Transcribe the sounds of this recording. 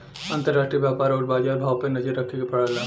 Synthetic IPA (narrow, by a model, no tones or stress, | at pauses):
ənt̪əɾːasʈɾijbjapaɾɔʈbad͡ʒaɾbʱaʋpənəd͡ʒəɾəkʰekepəɽəlã